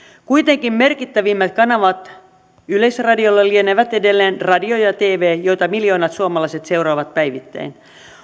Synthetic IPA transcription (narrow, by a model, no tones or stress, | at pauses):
kuit̪eŋkimme̞rkit̪ːæʋiːmːæt̪kɑnɑʋɑt̪ | yleisrɑdiolːelːieneʋæt̪edelːeːnrɑdiojɑt̪eːʋeːjo̞jt̪ɑmiljo̞ːnɑt̪suɑmɑlɑiset̪se̞uɾoːʋɑt̪̚pæjʋit̪ːæ̰in